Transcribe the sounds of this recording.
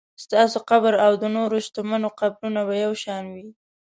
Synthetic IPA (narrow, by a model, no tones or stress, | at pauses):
st̪ɑsoqabɾawd̪ənoɾoʃt̪omanoqabɾunaβajawʃɑnwi